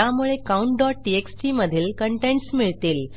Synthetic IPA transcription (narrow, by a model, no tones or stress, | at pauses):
amuɭekauɳʈɖɔʈ̚ʈieksʈiməd̪ʱiːlkəɳʈeɳʈsmiɭt̪iːl